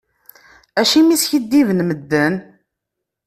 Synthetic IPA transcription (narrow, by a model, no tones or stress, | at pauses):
æʃimisçid̪ːivənməd̪ːən